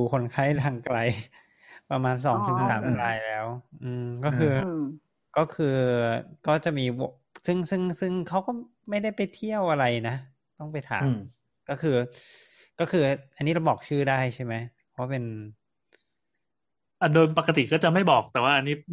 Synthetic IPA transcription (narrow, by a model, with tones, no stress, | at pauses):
u˨˩kʰo˧nkʰa˥˩jt̪ʰaː˧ŋkla˧j | pɾa˧maː˧ns̬ɔː˩˦ŋt̪ʰɯ˩˦ŋsa̰ː˩˦mɾaː˧jlɛː˦˥wʔɯː˧mkɔː˥˩kʰɯː˧ | kɔ˥˩kʰɯː˧kɔː˥˩t͡ɕa˨˩ʔmiː˧bo˨˩ | sɯ˥˩ŋsɯ˥˩ŋsɯ˥˩ŋkʰa˦˥wkɔː˥˩ | ma˥˩jda˥˩jpa˧jt̪ʰi˥˩əwʔa˧ɾa˧jna˦˥ | t̪ɔ˥˩ŋpa˧jt̪ʰa̰ː˦m | kɔ˥˩kʰɯː˧ | kɔː˥˩kʰɯː˧ʔa˧nːiː˦˥ɾa˧wbɔː˨˩k̚t͡ɕʰɯː˥˩daː˥˩jt͡ɕʰa˥˩jma˦˥jʰwaː˥˩pe˧n | ʔa˧˩doː˧jpa˨˩ka˧t̪i˨˩kɔː˥˩t͡ɕa˨˩ma˥˩jbɔː˨˩k̚t̪ɛː˨˩waː˥˩ʔa˧nːiː˦˥